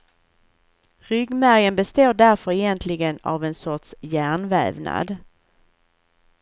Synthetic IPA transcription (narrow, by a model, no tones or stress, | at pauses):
ɾʏɡmæɾjənbɛst̪oːɖæɾfœɾɛjɛnt̪ʰlɪɡəna̰vɛnsɔʈʂjæːɳvɛ̰ːvna̰d̪